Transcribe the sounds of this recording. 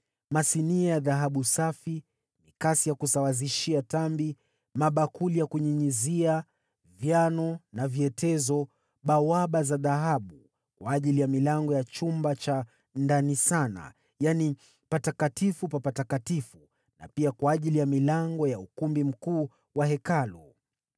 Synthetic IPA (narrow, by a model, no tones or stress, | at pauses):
masiniajaðaɦaɓusafi | nikasijakusawaziʃiatambi | maɓakulijakuɲiɲizia | vjanɔnaviɛtʰɛzɔ | ɓawaɓazaðaɦaɓu | kwaːʄilijamilaŋɡɔjat͡ʃumbat͡ʃa | ndanisana̰ | jani | patakatifupapatakatifu | na̰piakwaːʄilijamilaŋɡɔjaukumbim̩kuː | wahɛkalu